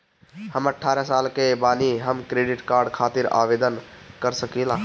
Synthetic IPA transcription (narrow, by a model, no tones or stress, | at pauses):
həməʈʰːaɾasalkebaniɦəmkɾeɖiʈkaɾɖkʰat̪iɾa̰ʋed̪ənkəɾsəkila